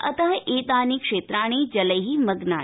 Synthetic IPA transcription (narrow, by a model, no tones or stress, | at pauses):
ɐ̰t̪əʋɐʔeːt̪aːnikʂeːt̪ɾaːɽ̃ed͡ʒɐləɦimɐɡnaː